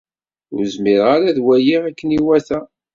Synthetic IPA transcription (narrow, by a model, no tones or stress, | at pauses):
ʊ̰ɾzmɪɾʁaɾaðwæjiʁækːəniwæθæ